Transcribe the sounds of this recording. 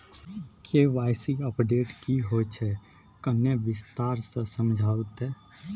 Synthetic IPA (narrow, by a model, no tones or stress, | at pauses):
kʰeʋaːɪsiəpɖeːʈkiɦot͡ʃʰɛ | kəneʋɪst̪aːɾsə̃səmd͡ʒʱaːət̪ɦɛː